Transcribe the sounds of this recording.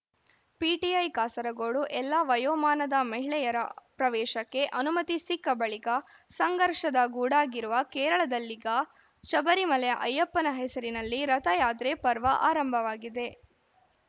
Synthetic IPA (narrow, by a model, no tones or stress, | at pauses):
piːʈiɐjkaːsɐɾɐɡoːɽuʔɛlːɐʋɐjoːmaːnɐd̪ɐmɐɦiɭɛjɐɾɐ̰pɾɐʋɛːʃɐkːe̞ʔɐnumɐt̪isikːɐbɐɭikɐ | sɐŋɡɐɾʂɐd̪ɐɡuːɽaːɡiɾuʋɐkɛːɾɐɭɐd̪ɐlːiɡɐ | ʃɐbɐɾimɐlɛjɐʔɐjːɐpːɐnɐɦɛsɐɾinɐlːiɾɐt̪ɐjaːd̪ɾepɐɾʋɐʔa̰ːɾɐmbʱɐʋaːɡid̪e̞